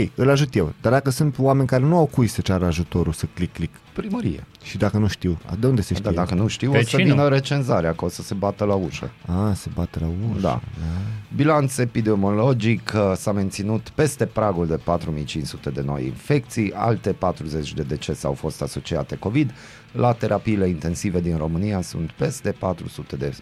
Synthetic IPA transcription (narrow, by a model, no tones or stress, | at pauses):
kejɨlaʒut̪jewd̪ard̪akəsunt̪wame̞nʲkaɾe̞nuawkujsət͡ʃaɾəaʒut̪o̞ɾulsəklikːlik | pɾiməɾḭjḛ | ʃid̪akənuʃt̪iwa̰d̪e̞und̪e̞seʃed̪akənuʃt̪iwosəvinəɾe̞t͡ʃe̞nzaɾeakosəse̞bat̪əlauʃə̰ase̞bat̪əlauʃd̪a̰abilant̪se̞pid̪emo̞lo̞d͡ʒiksame̞nt̪sinut̪pe̞st̪e̞pɾaɡuld̪e̞pat̪ɾumijt͡ʃinsut̪e̞d̪e̞no̞̰jḭnfe̞k̚t̪sija̰lt̪e̞pat̪ɾuze̞t͡ʃʲd̪e̞d̪e̞t͡ʃe̞sea̰wfo̞st̪aso̞t͡ʃiat̪e̞ko̞vid̪ | lʔat̪e̞ɾʔapiːle̞int̪e̞nsive̞d̪inro̞mɨniasṵnt̪pe̞st̪e̞pat̪ɾṵsut̪e̞d̪e̞